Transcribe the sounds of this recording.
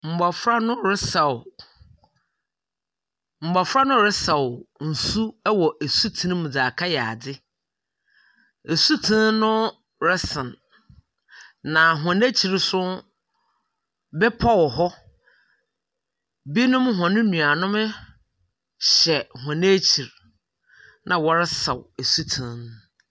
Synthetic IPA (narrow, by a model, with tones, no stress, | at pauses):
m̩˨ba˨fɾa˦nʊ̃˦ɾɛ˦sa˨ | m̩˨ba˨fɾa˦nʊ̃˦ɾɛ˦sa˨wʊ˨n̩˨su˦ɛ˦wɔ˨ʔæ˨su˦tʰĩ˦ñ˦mũ˨d͡zaː˨kʰa˦jɛ˨a˨dɪ˦ | e˨su˦tʰĩ˦n˦nʊ̃˦ | ɾɛ˦sɪ̃˨n | ã˨ɦã˨ne˦t͡ɕʰi˨ɾsʊ˦ | bɛ˦pʰɔ˦wɔ˨ɦɔ˦ | bi˦nʊ̃˦m˦ɦɔ̃˨nʊ̃˦nũ˨a˨nʊ̃˦m˦ | ɕɛ˨hwã˨ne˦t͡ɕʰi˨ɾ | nã˨wɔ˨ɾɛ˦sa˨we˨su˦tʰĩ˨n˦n